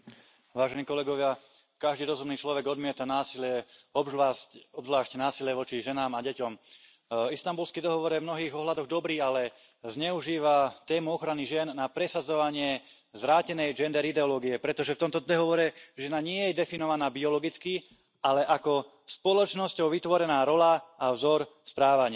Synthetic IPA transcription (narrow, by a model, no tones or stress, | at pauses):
ʋaːʒɛniːkɔlɛɡɔʋɪa | kaʒd̪iːɾɔzumniːt͡ʃlɔʋɛɡɔd̪mɪɛt̪anaːsilɪɛɔbɔbzlaːʃcnaːsiljɛʋɔt͡ʃiʒɛnaːmaɟɛcɔm | ist̪ambulskiːd̪ɔɦɔʋɔɾjɛvmnɔɦiːɣɔɦlad̪ɔɣd̪ɔbɾiːalɛ | zɲɛuʒiːʋat̪ɛːmuɔxɾaniʒɪɛnːapɾɛsad͡zɔʋaɲɪɛ | zʋɾaːcɛnɛjd͡ʒɛnd̪ɛɾid̪ɛɔlɔːɡiɛpɾɛt̪ɔʒɛft̪ɔmt̪ɔd̪ɔɦɔʋɔɾɛʒɛnaɲɪɛjjɛd̪ɛfinɔʋanaːbiɔlɔɡit͡ski | alɛʔakɔ | spɔlɔt͡ʃnɔscɔʊʋit̪ʋɔɾɛnaːɾɔlaavzɔɾspɾaːʋaɲɪ